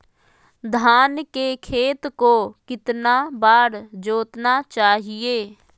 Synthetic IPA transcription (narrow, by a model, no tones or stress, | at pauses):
d̪ʱaːnkekʰeːt̪kokɪt̪nabaːɾd͡ʒoːt̪nat͡ʃaːɦɪeː